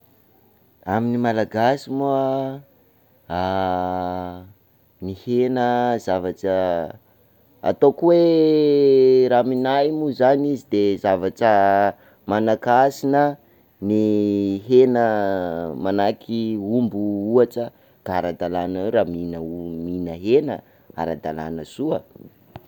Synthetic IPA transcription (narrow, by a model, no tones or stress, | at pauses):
aminimalaɡasimua | a | nihenəzavaʈ͡ʂə | a̰t̪okuwe | ɾaminajmuzanizid̪ezavaʈ͡ʂə | manakasinə | niɦenə | manakʰiumbuuaʈ͡ʂə | ɡ̥aaɾad̪alanaweɾaminəminəɦenə | a̰ɾad̪a̰la̰nəsuə